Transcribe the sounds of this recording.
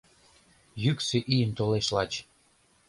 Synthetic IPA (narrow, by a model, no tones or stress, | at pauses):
jykseʔijənt̪oleʃlɑt͡ɕ